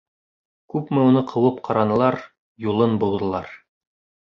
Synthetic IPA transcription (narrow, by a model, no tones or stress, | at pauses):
kʉpmɘunɤqʰɤ̆wɤpqʰɑɾɑnɤ̆lˠɑɾ | julˠɤnbulˠd̪ɤ̆lˠɑɾ